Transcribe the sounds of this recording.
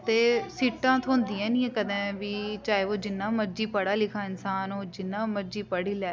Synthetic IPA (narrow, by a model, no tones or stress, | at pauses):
t̪eːsiːʈãːt̪ʰʊ̃ːnd̪iːɛ̃ːnĩːɛ̃ːkəd̪ɛ̃ːʋiːt͡ʃaːeːoːd͡ʒɪnːãːməɾd͡ʒiːpəɽaːlɪkʰaːɪnsaːnoːd͡ʒɪnːãːməɾd͡ʒiːpəɽiːlɛː